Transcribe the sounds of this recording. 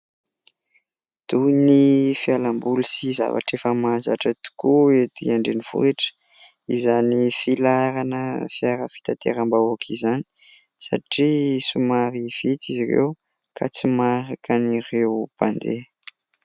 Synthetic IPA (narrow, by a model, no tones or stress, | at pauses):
d̪̥unifialambulisiza̰va̰ʈ͡ʂefəmaza̰ʈ͡ʂət̪u̥kuet̪ḭaɳɖ͡ʐeniv̥ṵɾeʈ͡ʂə̥ | izanifilaɾanəfiaɾə̰fi̥t̪at̪ḛɾambawakʰizani̥ | sa̰ʈ͡ʂisumaɾiv̥it͡siziɾḛw | kʰa̰t͡simaɾakanirewpand̪e